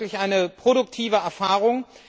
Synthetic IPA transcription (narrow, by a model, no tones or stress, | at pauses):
lɪçʔaɪnəpʁ̥oɾʊk̚tʰiːvəɛɐfaːʁʊŋ